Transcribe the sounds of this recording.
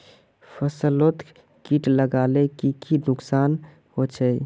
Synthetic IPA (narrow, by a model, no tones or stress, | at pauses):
pʰəsəlot̪ | kiʈləɡalekikinʊksaːn | hot͡ʃʰə